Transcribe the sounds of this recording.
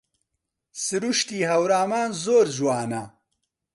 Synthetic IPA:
sɨɾuʃt̪iːɦɐwɾaːmaːnzoːɾʒwaːnɐ

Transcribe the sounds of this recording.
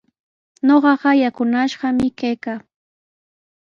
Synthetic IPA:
ɲoɢɑɢɑjakʊnaʃɢɑmɪkajkaː

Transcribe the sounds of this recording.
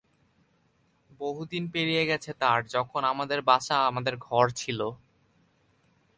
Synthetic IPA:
boɦud̪inpeɾijeɡɛt͡ɕʰet̪aɾd͡ʑɔkʰonamad̪eɾbaʃaamad̪eɾɡʱɔɾt͡ɕʰilo

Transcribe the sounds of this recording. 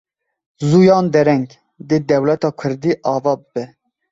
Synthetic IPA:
zuːjɑːnd̪ɛɾɛŋɡ | d̪ed̪ɛwlɛt̪ɑːkʰʊɾd̪iːʔɑːvɑːbɨbɛ

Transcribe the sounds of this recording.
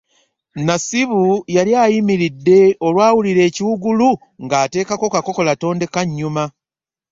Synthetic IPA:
nasiβujaljaːjimiɾidːe̞o̞lwaːwuliɾe̞ːciwuɡulu | ŋɡaːte̞ːkako̞kako̞ko̞lato̞ːnde̞kaɲːuma

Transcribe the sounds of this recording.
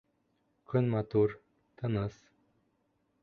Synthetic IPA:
kʲʰɵnmat̪ur | t̪ʰənəs

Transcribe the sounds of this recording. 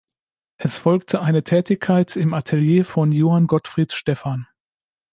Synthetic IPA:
ʔɛsfɔlk̚tʰəʔaɪnətʰɛːtɪçkʰaɪtɪmatʰɛljeːfɔnjoːhanɡɔtfʁ̥iːtʃtɛfan

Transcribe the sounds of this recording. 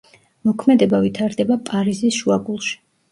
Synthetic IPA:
mɔkʰmɛd̪ɛbavit̪ʰaɾd̪ɛbapʼaɾizisʃuaɡulˠʃi̥

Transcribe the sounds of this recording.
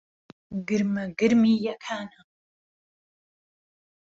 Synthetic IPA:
ɡɨɾmɐɡɨɾmijakʰaːna

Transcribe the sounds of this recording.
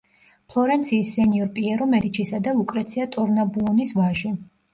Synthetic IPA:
pʰlˠɔɾɛnt̪sʰiːsːɛniɔɾpʼiɛɾɔmɛd̪it͡ʃʰisad̪aukʼɾɛt̪sʰiat̪ʼɔɾnabuɔnisvaʒi

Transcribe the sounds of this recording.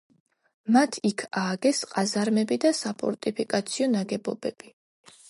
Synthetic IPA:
mat̪ʰikʰaːɡɛsqʼazaɾmɛbid̪asapʰʼɔ̰ɾt̪ʼipʰikʼat̪sʰiɔnaɡɛbɔbɛb̥i

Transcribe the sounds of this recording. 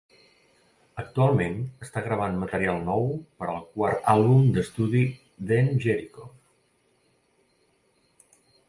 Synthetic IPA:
ək̚t̪ualˠmenəst̪aɣɾəβ̞anmət̪əɾialˠnɔwpəɾəlˠkwaɾt̪alˠβumd̪əst̪uði | ðenʒeɾiko

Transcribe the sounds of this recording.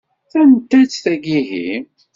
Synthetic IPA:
θænt̪ːæt͡sːθæɡiɦḭm

